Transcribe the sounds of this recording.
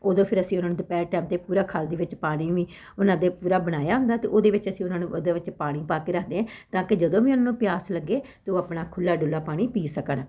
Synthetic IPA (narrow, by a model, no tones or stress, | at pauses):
oːd̪õːpʰɪɾəsĩːʊnaːnũːd̪eːpɛːʈɛːmt̪eːpuːɾaːkʰaːld̪eːʋɪt͡ʃpaːɽ̃iːʋiː | ʊnãːd̪eːpuːɾaːbəɽ̃aːjaːɦʊ̃nd̪aːt̪eːʔoːd̪eːʋɪt͡ʃəsĩːʊnãːnũːʔod̪eːʋɪt͡ʃpaːɽ̃iːpaːkeːɾəkʰd̪eːɛ̃ːt̪ãːkɪd͡ʒəd̪õːʋiːʊnaːnũːpɪjaːsləɡːeːt̪eoːəpɽaːkʰʊlːaːɖʊlːaːpaːɽ̃iːpiːsəkəɳ